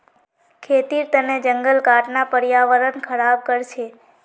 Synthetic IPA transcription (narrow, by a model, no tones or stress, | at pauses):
kʰet̪iɾt̪əned͡ʒəŋɡəlkaʈnapəɾjaʋəɾənkʰəɽab̚kəɾt͡ʃʰe